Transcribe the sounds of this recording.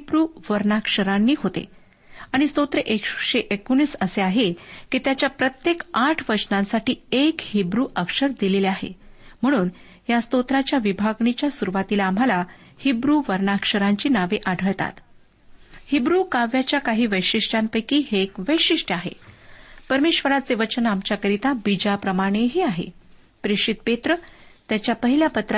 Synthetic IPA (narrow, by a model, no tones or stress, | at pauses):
ɦibɾuːʋəɾnakʂəɾanːiːɦot̪ḛ | aɽ̃ist̪ot̪ɾeʔekʂɕeʔekoñiːt͡səseaɦekiːt̪jat͡ɕjapɾət̪jekaʈʰʋəd͡ʑnãsaʈiːekhibɾuːʔəkʂəɾd̪ileleaɦḛm̤əɽ̃uːn | jast̪ot̪ɾat͡ɕjaʋibʱaɡɳit͡ɕjasuɾuʋat̪ilaːmala | hibɾuʋəɾɳakʂəɾaɲt͡ɕiːnaʋeʔaɖʱəɭt̪a̰t̪ | hibɾukaʋjat͡ɕjakaɦiːʋəjʂiʂʈanpəjkiːɦekʋəjʂiʂʈaɦḛpəɾmeɕʋəɾat͡seʋət͡ɕənamt͡ɕakəɾit̪abid͡ʑapɾəmaɽ̃eɦeaɦḛ | pɾiʂit̪̚pet̪ɾət̪jat͡ɕjapəɦiljapət̪ɾ